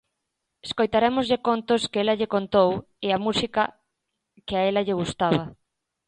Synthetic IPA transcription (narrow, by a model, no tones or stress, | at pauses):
eskojt̪aɾɛmʊzʎɪkont̪oskelɐʎekont̪ow | eamusikɐ | kɪaɛlɐʎɪɣust̪aβɐ